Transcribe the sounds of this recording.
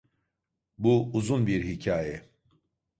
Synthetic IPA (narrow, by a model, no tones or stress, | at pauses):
buuzunbiɾɦicʰaːjɛ